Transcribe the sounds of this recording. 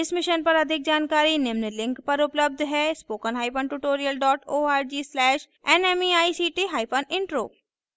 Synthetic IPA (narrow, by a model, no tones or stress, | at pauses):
ɪsmɪʃənpɐɾəd̪ʱɪk̚d͡ʒaːnkaːɾinɪmnəlɪ̃ŋkpɐɾʊpləb̚d̪ʱɦɛːspoːkənɦaːɪpʰənʈuʈoːɾijəlɖɔːʈoːaːɾd͡ʒiːslɛːʃ | ɛnɛːmiaːisiːʈiːɦaːɪpʰənɪ̃ɳʈɾo̰ː